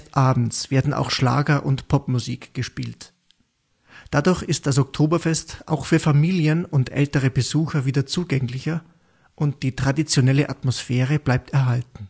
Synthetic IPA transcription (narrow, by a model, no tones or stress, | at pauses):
ʔaːbm̩t͡sv̥eːɐdn̩ʔa̰ʊxʃla̰ːɡɐʔʊntpʰɔpmuziːkɡ̥əʃpiːlt | d̥adʊɐçɪst̚d̥as̬ɔk̚tʰoːbɐfɛstʔa̰ʊxfyːɐfamiːljənʊntʔɛ̰ltəʁ̞əbəzuːxɐviːdɐt͡suːɡɛŋlɪçɐ | ʔʊnt̚d̥iːtʁ̥adit͡sjonɛləʔatmosfɛːʁ̞əblaɪp̚tɛɐɦaltn̩